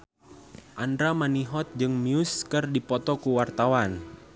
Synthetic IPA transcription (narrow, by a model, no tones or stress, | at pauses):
ʔandɾamaniɦɔt̪̚d͡ʒɨŋmiuskɨrdipɔt̪ɔkuwart̪awan